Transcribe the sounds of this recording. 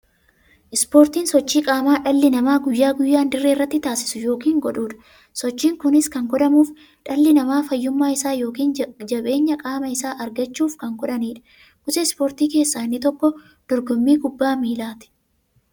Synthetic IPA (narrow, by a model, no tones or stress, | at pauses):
ʔɪspo̞ːɾt̪iːnsɔt͡ʃːiːkʼaːmaːᶑɐlːɪnɐmaːɡʊjːaːɡʊjːaːnd̪ɪrːeːrːɐt̪ːɪt̪aːsɪ̥sʊjo̞ːkiːŋɡɔᶑuːᶑɐ̥ | sɔt͡ʃːiːŋkʊnɪskɐŋɡɔᶑɐmuːf | ᶑɐlːɪnɐmaːfɐjːʊmːaːɪsaːjo̞ːkiːnd͡ʒɐɓe̞ːɲːɐkʼaːmɐɪsaːʔɐɾɡɐt͡ʃːuːfkɐŋɡɔᶑɐniːᶑɐ̥ | kʊsɛɪspoːɾt̪iːke̞ːsːaːɪnːɪt̪ɔkːɔ | d̪̥ɔɾɡɔmːiːɡʊbːaːmiːlaːt̪ɪ̥